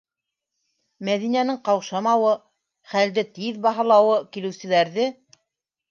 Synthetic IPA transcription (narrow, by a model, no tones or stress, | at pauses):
mæðinænɘŋqɑwʃɑmɑwɤ | χæld̪ɘt̪iðbɑɦɑ̆lˠɑwɤkilɘ̆wsɘ̆læɾðɘ